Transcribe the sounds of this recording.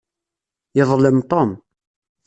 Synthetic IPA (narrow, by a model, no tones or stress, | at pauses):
jeðˤləmt̪ˤom